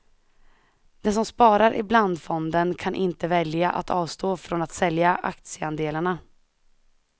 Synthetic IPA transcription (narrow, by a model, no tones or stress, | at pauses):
d̪̥ɛsɔmspɑːɾaɾʔɪ̰bland̪fɔnd̪ənkʰanʔɪnt̪əvɛljaʔa̰t̪ʰɑːvst̪oːfɾɔnat̪sɛljaʔa̰k̚t̪sɪəand̪eːlaɳa